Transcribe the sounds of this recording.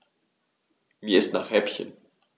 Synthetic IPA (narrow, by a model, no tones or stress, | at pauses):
miːɐɪstna̰ːχhɛpçə̰n